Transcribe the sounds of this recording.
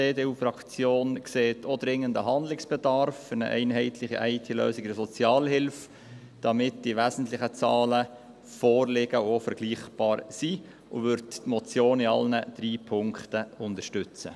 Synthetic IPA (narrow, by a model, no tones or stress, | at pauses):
deːdeːuːfɾɑkt͡sjoːnkseːtʰodɾɪŋəndəɦɑnd̪lɪksb̥ɛdɑɾfənə̰ʔɛ̰ɪnɦɛɪtʰlɪχiʔɛɪtʰilø̰ːsɪɡdəsɔt͡sjɑːlhɪlf | d̥ɑmɪtd̥iʋæzn̩tlɪχət͡sɑːlə | fɔːrlɪɡ̥əofəɾɡ̥liːχb̥ɑːɾsi | ʔʊ̰ʋʏɾttmɔt͡sjoːniɑ̰lnəd̥ɾiːpʰʊŋktəʊntəʃtʏt͡sə̰